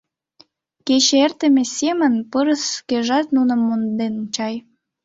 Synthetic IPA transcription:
ket͡ɕert̪ə̆mesʲemənpəɾəskeʒɑt̪nunə̆mːond̪enunt͡ɕɑj

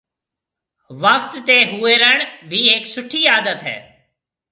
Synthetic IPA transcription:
ʋəkt̪ːeːɦʊeːɾəɳ̃bʱiːeːksʊʈʰːiːaːd̪ət̪ɦɛ̰ː

